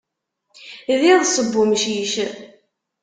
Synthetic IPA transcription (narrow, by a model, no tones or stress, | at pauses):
ðiðˤsˤəbːʊmʃiʃ